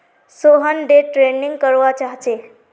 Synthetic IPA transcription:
soɦənɖeʈɾeniŋɡkəɾʋat͡ʃaɦt͡ʃe

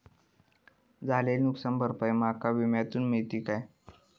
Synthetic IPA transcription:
d͡zalelnuksambəɾpəjmakaʋimjat̪uːnmit̪iːkaj

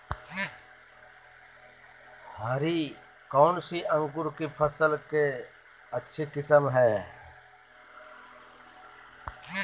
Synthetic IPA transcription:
haːɾi | kɔːnsiʔə̃ŋɡʊɾkepʰəsəlke | ɐtːʃʰekɪsəmɦɛː

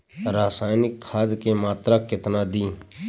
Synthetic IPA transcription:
ɾaːsaːjnɪkʰːaːd̪keːmaːt̪ɾaːkɪt̪naːd̪iː

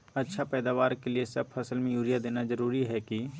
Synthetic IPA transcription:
ɐtːʃʰapɛːd̪aːʋaːɾkeliesɐb̚fʰɐsəlmẽjuːɾijad̪eːnazɐɾuːɾiɦɛki

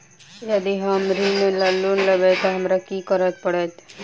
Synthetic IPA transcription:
jəd̪iɦɐmɾimẽlɐlːunləbet̪oɦɐmɾɐkikəɾət̪̚pəɽət̪

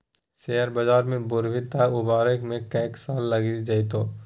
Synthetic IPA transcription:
seɦəɾbad͡ʒaːɾmẽbʊɾbʱɪt̪aʊbaːɾəkmẽkɐːksaːlːɐɡid͡ʒait̪oː

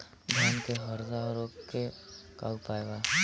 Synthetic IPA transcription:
ɡʱaːnkeɦəɾzaɾoeka̰ːupaːeɡaː

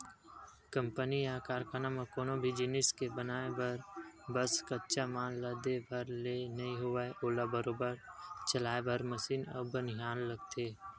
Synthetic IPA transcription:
kə̃mpənijaːkaːɾkənamẽkoːnobʱid͡ʒɪnɪskebənaːebəɾbəskətːt͡ʃamaːnləd̪ebʱəɾlenɐĩɦʊaeʔoːlabəɾoːbəɾt͡ʃəlaːebəɾməsiːnə̰bənɦaːnləɡt̪ʰeː

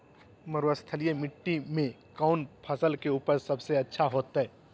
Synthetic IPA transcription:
məɾuəst̪ʰəlijemɪʈːimẽ | kaʊnpʰɐsəlkeuːpəɾsɐbseɐtːʃʰaɦoːt̪ɦɛ

